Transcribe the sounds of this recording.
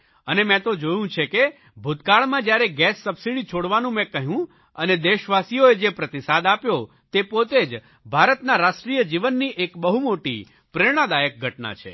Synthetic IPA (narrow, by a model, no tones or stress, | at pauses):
ənemɛ̃t̪od͡ʒojũt͡ʃʰeke | bʱut̪kaɭmãd͡ʒjaɾeɡɛsːəbsiɽit͡ʃʰoɽʋanũmɛ̃kəɦjũ | əned̪eʃʋasijoed͡ʒepɾət̪isad̪apjo | t̪epot̪ed͡ʒ | bʱaɾət̪naɾaʃʈɾijəd͡ʒiʋənːiʔekbəɦumoʈḭ | pɾeɽ̃ad̪ajək̚ɡʱəʈna̰t͡ʃʰḛ